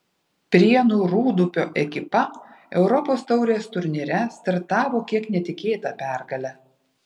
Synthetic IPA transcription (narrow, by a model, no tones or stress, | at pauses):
pʲɾʲiɛnuːɾuːd̪ʊpʲoːʔɛkʲɪpɐɛʊɾɔpoːst̪ɒʊɾʲeːst̪ʊɾʲnʲiɾʲɛst̪ʲɐɾt̪ɑːʋoːkʲiɛknʲɛt̪ʲɪkʲeːt̪ɐpʲæˑɾɡɐlʲɛ